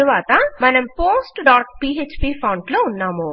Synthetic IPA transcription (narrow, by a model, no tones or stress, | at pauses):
ɾuʋaːt̪ɐmɐnɐmpoːsʈɖaːʈ̚piːeːt͡ʃpiːpʰɐːɳɖloːunːaːmu